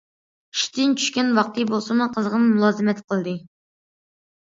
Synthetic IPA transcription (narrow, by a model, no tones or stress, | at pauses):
i̥ʃt̪ɪnt͡ʃʰy̥ʃkʲɛnwɑq̚t̪ʰɨbolˠsɑmuqʰəzʁənmulˠɑːzɨmɛt̪qʰəlˠd̪ɨ